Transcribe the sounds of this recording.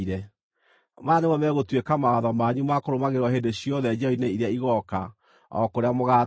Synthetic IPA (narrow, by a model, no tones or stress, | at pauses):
iɾɛ | manemɔmɛɣotwekamawaðɔmaɲumakoɾomaɣeɾwɔɦeːndeɕjɔðɛd͡ʒaoineiɾeaiɣɔka | ɔ̰koɾeamoɣa